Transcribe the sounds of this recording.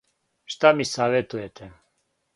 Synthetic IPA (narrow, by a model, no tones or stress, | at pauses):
ʃt̪amisaːʋet̪ujet̪ʰɛ